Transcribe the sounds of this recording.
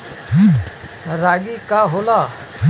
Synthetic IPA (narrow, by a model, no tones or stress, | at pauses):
t̪ɐɾaːɡikaɦoːla